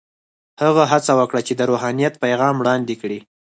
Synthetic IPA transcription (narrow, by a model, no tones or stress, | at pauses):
həɣaɦat͡sawəkɽat͡ʃed̪əɾoɦɑnijat̪̚pajɣɑmwɽɑnd̪ekɽi